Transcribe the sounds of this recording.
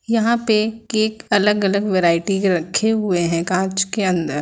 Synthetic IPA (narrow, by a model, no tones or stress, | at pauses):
jɐɦãpeeːkɐləɡɐləɡʋeːɾaːɪʈiɾɐkʰːeɦʊeɦɛ̃kãːt͡ʃkeɐ̃nd̪əɾ